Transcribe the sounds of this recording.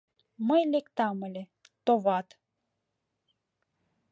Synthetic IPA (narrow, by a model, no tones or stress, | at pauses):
məjlekt̪ɑməle | t̪ovɑt̪